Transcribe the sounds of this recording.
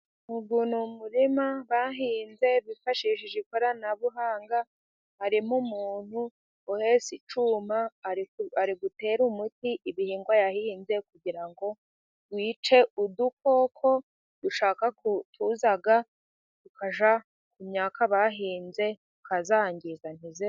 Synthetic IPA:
muɡunumuɾimaβaɦiːnze̞βifaʃiʃiʒekoɾanaβuɦaːŋɡa | haɾimumuuːn̥hu | ohe̞ːsit͡ʃuma | aɾiɡute̞ːɾumutiʔiβihiːŋɡwajahinze̞kuɡiɾaŋɡo̞ | wiːt͡ʃe̞uduko̞kʰo̞ | d̥uʃaːkaktʰuzaɡa | dukaʒa | kumɲaːkʰaβaɦiːnze̞ | ukazaːŋɡizanize

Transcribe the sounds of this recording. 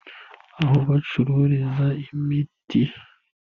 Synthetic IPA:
aɦoβat͡ʃuɾuɾizaimiti

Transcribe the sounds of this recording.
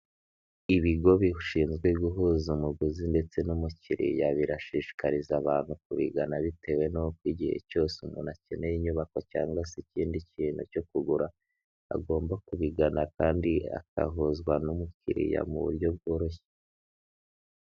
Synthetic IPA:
iβiɡo̞βiuʃiːnzɡweɡuɦuzumuɡuzinde̞t͡se̞numuciɾḭjaβiɾaʃiʃi̥kaɾizaβaːn̥huk̚uβḭɡanaβitʰe̞we̞nookwiːɟihe̞̰co̞ːseumṵnacenejiɲuβako̞ca̰ːŋɡwasiciːndiciːn̤hṵco̞kuɡuɾa̰ː | ɡo̞ːmbakuβiɡanakaːndia̰ka̰ɦozɡwanumucḭɾḭja̰mṵβṵɾjo̞b̚ɡo̞ːɾo̞çe̥

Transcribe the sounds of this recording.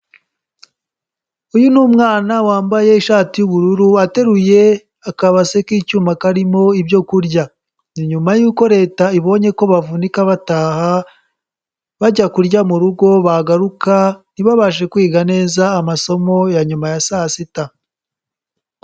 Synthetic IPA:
ujunuːmŋaːnawaːmbaje̞iʃaːtijuβuɾuɾuate̞ɾuje̞ | akaβase̞kiːcuːmakaɾimo̞ibjo̞kuɾɟa | niɲumajuːko̞ɾe̞ːtaiβo̞ɲe̞ko̞βavunikaβataːha | βaɟakuɾɟamuɾuɡo̞βaɡaɾukaniβaβaʃ̬e̞kwiːɡane̞ːzaːmaso̞mo̞jaɲumajasaːsita

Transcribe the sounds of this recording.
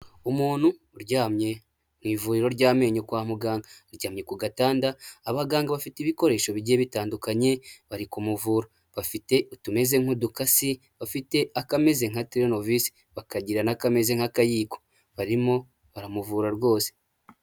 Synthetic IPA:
umuːn̥hu | ɾɟaːmɲe̞ | m̥wiːvuɾiɾo̞ɾɟaːme̞ːɲokwaːmuɡaːŋɡaɾɟaːmɲe̞kuɡataːndaːβaɡaːŋɡaβafitiβiko̞ɾe̞ːʃo̞βiɟeβitaːndukaɲe̞βaɾikumuvuːɾa | βafite̞utume̞ze̞ŋ̥hudukasi | βafite̞akame̞zeŋ̥hatɾenovisi̥ | βakaɟiɾanakame̞zeŋ̥hakajiːko | βaɾimo̞ | βaɾamuvuːɾaɾɡo̞ːse̥

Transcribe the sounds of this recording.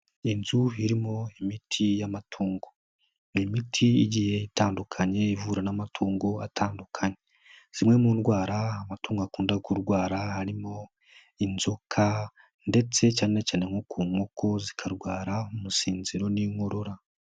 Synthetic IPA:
inzuɦiɾimo̞imitʰijamatʰuːŋɡo̞ | nimitʰiiɟije̞itaːndukʰaɲe̞ivuɾanamatʰuːŋɡoatʰaːndukʰaɲe | z̥imŋe̞muːndɡwaːɾaːmatuːŋɡoakuːndakuɾɡwaːɾahaɾimo̞ | inzokʰa | nde̞t͡se̞caːnnecaːne̞ŋokʰuːŋoko̞zikʰaɾɡwaːɾaumusiːnziɾo̞niŋo̞ɾo̞ɾa

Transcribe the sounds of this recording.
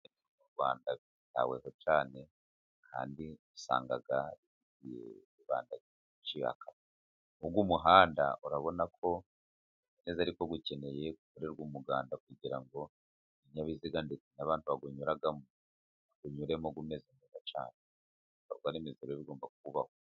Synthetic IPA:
iumuɾɡwa̰ːnda | ta̰wḛɦot͡ʃaːne̞ | ha̰ːndiisa̰ːŋɡa̰ɡaii | ijḛ | iβa̰ːnda | ut͡ʃiha̰kʰa | uɡumuɦaːnda̰ʔuɾaβo̞nakʰo̞ | ineːzaɾiko̞ɡuce̞ne̞je̞kuβuɾeɾɡuːmuɡaːndakwiɟiɾaŋɡo̞ | iɲaβiziɡandet͡sinaβaːntuβaɡuɲuɾaɡamu | aɡ̥uɲuɾe̞moɡumeːzimuβat͡ʃa̰ːne | uβaɾɡwanemizeɾoeβiɡo̞ːmbak̚uβaho

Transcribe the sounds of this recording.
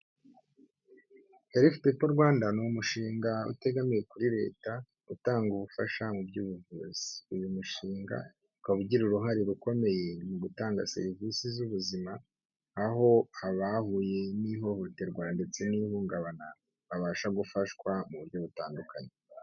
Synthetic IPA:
heɾiftipoɾɡwaːndanuumuʃiːŋɡaṵte̞ɡamije̞kuɾiɾe̞̰ːta | utaːŋɡuβufaʃamubjɟuːβuvuz̥i̥ujumuʃiːŋɡa̰ | kaβuɟiɾuɾuɦaɾiɾuko̞me̞je̞muɡutaːŋɡa̰se̞̰ɾivisizuβuzimaː | ɦo̞aβahuje̞niɦo̞ho̞te̞ɾɡwaːndet͡senihuːŋɡaβana | βaβaːʃaɡufaʃkwamuβuɾɟo̞βutaːndukʰa̰ɲe

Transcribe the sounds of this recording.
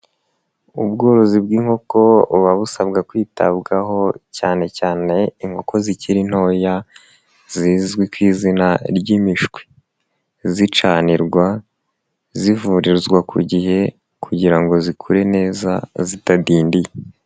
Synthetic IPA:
ubɡo̞ːɾo̞zibɡiːŋho̞ko̞βaβusaβɡakwiːta̰bɡaɦo̞caːne̞caːne̞iŋho̞kʰo̞ziciɾin̥ho̞ja | ziːzɡwikwiːzinaɾɟimiʃɡwi̥ | zit͡ʃaːniɾɡwa | zivuɾiɾzɡwakʰṵɟihe̞ | kʰuɟiɾaŋɡo̞zikʰuɾe̞ne̞ːza̰zitadiːndije

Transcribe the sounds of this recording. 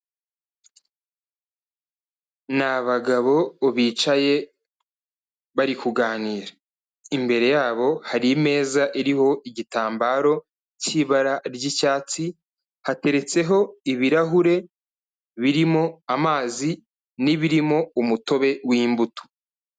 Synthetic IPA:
naβaɡaβo̞ːβiːt͡ʃaje̞ | βaɾikuɡaːniːɾa | imbe̞ɾe̞jaːβo̞haɾime̞ːzaʔiɾiɦo̞ʔiɟitaːmbaɾo̞ | ciβaɾaɾɟicaːt͡si | hate̞ɾe̞t͡se̞ɦo̞iβiɾaɦuɾe̞ | βiɾimo̞amaːzi | niβiɾimo̞umuto̞βe̞wiːmbutu̥

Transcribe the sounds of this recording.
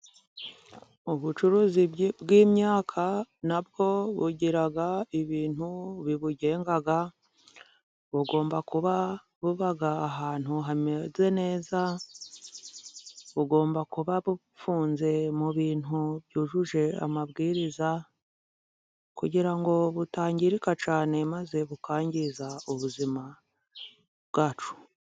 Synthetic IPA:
uβut͡ʃuɾuːzibɡiːmɲaːkʰanabɡo̞βṵɟiɾaɡaiβiːn̥huβiβuɟe̞ːŋɡaɡa | βuɡo̞ːmbakuβa | βuβaɡaːɦaːn̥huɦameze̞ne̞ːza | βuɡo̞ːmbakuβaβu | fuːnze̞muβiːnuβjuːʒuʒe̞a̰maβɡiːɾiza | kuɟiɾaŋɡo̞βutaːɲɟiɾikat͡ʃaːne̞maze̞βukaːɲɟizauβuzima | bɡaːt͡ʃu̥

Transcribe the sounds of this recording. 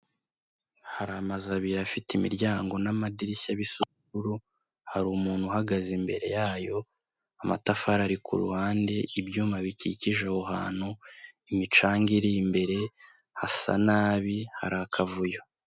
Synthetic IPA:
haɾamazaβiɾafitimḭɾɟaːŋɡo̞namadiɾisaβisukuuɾu | haɾuːmuːn̥huhaɡazimbe̞ɾe̞̰jaːjo̞ | ama̰tafaɾaɾikṵɾṵhaːnde̞ʔibjuːmaβiciciʒahoɦaːn̥huimit͡ʃaːŋɡiɾimbe̞ɾe̞ | hasa̰naːβiha̰ɾakʰavujo

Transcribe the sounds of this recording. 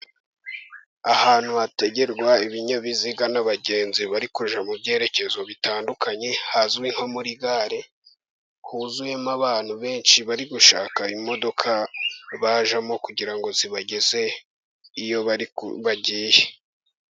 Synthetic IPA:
ahaːn̥huate̞ɟe̞ɾɡwaiβiɲoβiziɡanaβaɟe̞ːnziβaɾikuʒamubɟe̞ːɾe̞ce̞zoβitaːndukaɲe̞hazwiŋho̞muɾiɡaːɾe | huzuje̞maβaːn̥huβe̞ːnʃiβaɾiɡuʃaːkaimo̞do̞kʰaβaːʒamo̞kuɟiɾaŋɡo̞ziβaɟe̞ze̞ | ijo̞βaɟiːje

